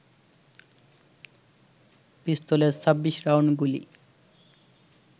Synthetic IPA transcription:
pist̪oleɾt͡sʰʌbːiʃɾawnɡulḭ

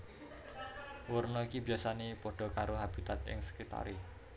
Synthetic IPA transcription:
wʊrnɔikibiasanepɔɖ̥ɔ̤kaɾoɦab̥i̤t̪at̪ɪ̰ŋsə̥kɾit̪a̰ɾi

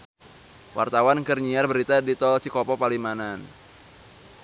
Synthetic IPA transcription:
wʔa̰rt̪awankərɲiarbəɾit̪adit̪ɔlt͡ʃikɔpɔpalimanan

